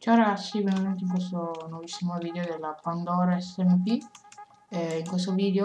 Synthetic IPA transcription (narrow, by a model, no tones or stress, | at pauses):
t͡ʃareɡatsːibeament̪eiŋkwest̪onovisːimoviːd̪eod̪elːapand̪ɔːɾaɛsːɛmpi | iŋkwest̪oviːd̪eo